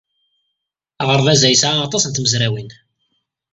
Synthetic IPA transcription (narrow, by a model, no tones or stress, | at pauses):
ʁəɾˤðæzæjsʕaːt̪ˤɑsənt̪məzɾæwin